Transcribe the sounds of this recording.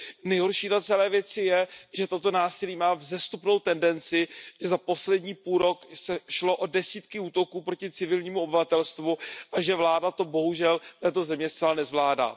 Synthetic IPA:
nɛjɦo̞ɾʃiːdat͡sɛlɛːvjɛt͡sɪjɛʒɛt̪o̞t̪o̞naːsɪliːmaːvzɛst̪upno̞wt̪ɛndɛnt͡sɪʒɛzapo̞slɛdɲiːpuːlɾo̞ksɛʃlo̞ʔo̞dɛsiːt̪kɪuːt̪o̞kuːpɾo̞cɪt͡sɪvɪlɲiːmuobɪvat̪ɛlst̪vuʔaʒɛvlaːdat̪o̞bo̞ɦuʒɛlt̪ɛːt̪o̞zɛmɲɛst͡sɛlanɛzvlaːda̰ː

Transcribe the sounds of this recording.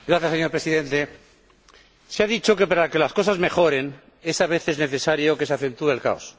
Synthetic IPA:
ɡɾaθjaseɲo̞ɾpɾesiðẽ̞nt̪e̞ | seaðit͡ʃo̞ke̞paɾake̞lasko̞sazmexo̞ɾe̞n | e̞saβ̞e̞θe̞zneθe̞saɾjoke̞seaθẽ̞nt̪uelka̰os

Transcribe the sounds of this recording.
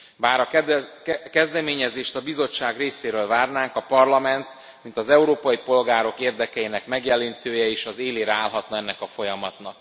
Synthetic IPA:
baːɾɒ | kɛzd̪ɛmeːɲɛzeːʃt̪ɒbizo̞t͡ʃːaːɡreːseːɾøːlvaːrnaːŋkɒpɒrlɒmɛnt̪ | mint̪ɒzɛuɾoːpɒjipo̞lɡaːɾo̞keːrd̪ɛkɛinɛkmɛɡjɛlint̪øːjɛeːʃɒzeːleːɾɛaːlɦɒt̪nɒɛnːɛkɒfo̞jɒmɒt̪nɒk

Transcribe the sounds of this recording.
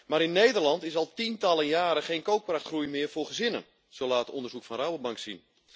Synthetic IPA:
maːɾɪnːejdərlɑntɪsɑlˠtintɑlˠənjaːɾəχeːnkowk̚praxtχrujmɪərfʊːrχəzɪnən | soːlaːəto̰ndərzukfɔnrawəbɑŋksin

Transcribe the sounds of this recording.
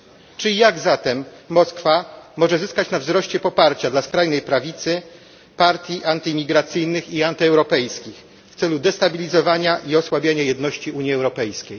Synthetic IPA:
t͡ʂɘjaɡzat̪ɛmːɔskfamɔʐɛzɘskat͡ɕnavzɾɔɕt͡ɕɛpɔpaɾt͡ɕad̪laskɾajnɛjpɾavʲit̪sɘ | paɾt̪ʲjiʔant̪ɘmʲiɡɾat̪sɘjnɘxiant̪ɘɛwɾɔpɛjskʲix | ft̪sɛlud̪ɛst̪abʲilʲizɔvaɲaʔiɔswabʲjaɲajɛd̪nɔɕt͡ɕiuɲjiɛwɾɔpɛjskʲej

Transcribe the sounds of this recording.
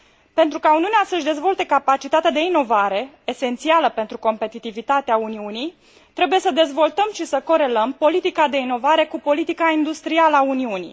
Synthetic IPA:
pe̞nt̪ɾukauniuneasəʃʲd̪e̞zvo̞lt̪e̞kapat͡ʃit̪at̪ead̪e̞ino̞vaɾe̞ | ese̞nt̪sialəpe̞nt̪ɾuko̞mpe̞t̪it̪ivit̪at̪eauniunij | t̪ɾe̞bujesəd̪e̞zvo̞lt̪əmʃisəko̞ɾe̞ləmpo̞lit̪ikad̪e̞ino̞vaɾe̞kupo̞lit̪ikaind̪ust̪ɾialəauniunḭ

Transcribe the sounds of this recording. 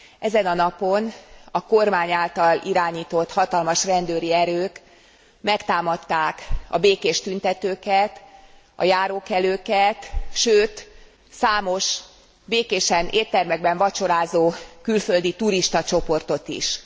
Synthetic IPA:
ɛzɛnɒnɒpo̞nɒkormaːɲaːlt̪ɒliɾaːɲiːt̪o̞t̪ːhɒt̪ɒlmɒʃrɛnd̪øːɾiɛɾøːk | mɛkt̪aːmɒt̪ːaːkɒ̰beːkeːʃt̪ynt̪ɛt̪øːkɛt̪ | ɒ̰jaːɾoːkɛløːkɛt̪ʃøːt̪ | saːmo̞ʃ | beːkeːʃɛnʔeːt̪ɛrmɛɡ̚bɛɱvɒt͡ʃo̞ɾaːzoːkylføld̪it̪uɾiʃt̪ɒt͡ʃo̞po̞rt̪o̞t̪ḭʃ

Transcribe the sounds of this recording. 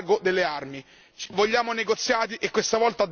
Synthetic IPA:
ɡod̪elːearmi | t͡ʃvoʎːaːmoneɡot̪sːjaːt̪̬iʔekːwest̪avɔlt̪ad̪

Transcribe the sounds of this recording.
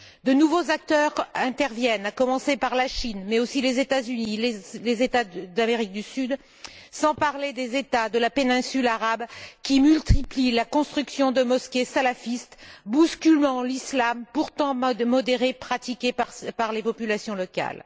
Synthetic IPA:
d̪ənuvozak̚t̪œʁɛ̃t̪ɛʁvjɛnakɔmɑ̃sepaʁlaʃinmɛosilezet̪azynilelezet̪ad̪ameʁik̚d̪ysyd̪ | sɑ̃paʁled̪ezet̪ad̪əlapenɛ̃sylaʁabkʲimylt̪iplilakɔ̃st̪χyksjɔ̃d̪əmɔskʲesalafist̪buskʲylmɑ̃lislampuʁt̪ɑ̃mɔd̪eʁepχat̪ikʲepaʁlepɔpylasjɔ̃lɔkʲa̰l

